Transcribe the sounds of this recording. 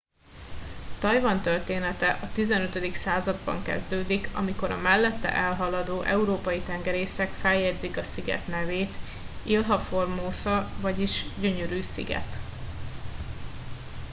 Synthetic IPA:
t̪ɒjvɒnt̪ørt̪eːnɛt̪ɛʔɒt̪izɛnøt̪ød̪iksaːzɒd̪̚bɒ̰ŋkɛ̰zd̪øːd̪ikɒ̰miko̞ɾɒ̰mɛlːɛt̪ːɛ̰ʔɛlɦɒlɒd̪oːʔɛuɾoːpɒjit̪ɛŋɡɛɾeːsɛkfɛjjɛɟd̪zikɒsiɡɛ̰t̪nɛveːt̪ | ilɦɒfo̞rmoːsɒvɒɟiʃɟøɲøɾyːsḭɡɛ̰t̪

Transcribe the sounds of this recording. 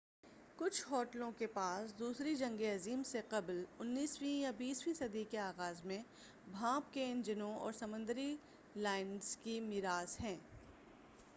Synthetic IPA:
kʊt͡ʃʰɦɔːʈlõkepaːsd̪uːsɾid͡ʒɐ̃ŋɡeɐziːmseqɐblʊnːiːswĩjabiːswĩsɐd̪ikeaːɣaːzmẽ | bʱãːpkeɪ̃nd͡ʒɪnõɔ̰ːɾsɐmʊ̃nd̪əɾi | laːɪnz̥kimɪɾaːzɦɛ̃ː

